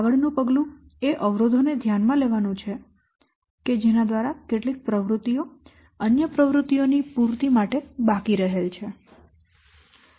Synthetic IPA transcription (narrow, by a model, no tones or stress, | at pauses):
aʋəɭnũpəɡlũeʔəʋɾod̪ʱoned̪ʱjanmãleʋanũt͡ʃʰe | ked͡ʒenad̪ʋaɾakeʈlik̚pɾəʋɾut̪ijo | ənjəpɾəʋɾut̪ionipuɾt̪imaʈebakiɾəɦelt͡ʃʰe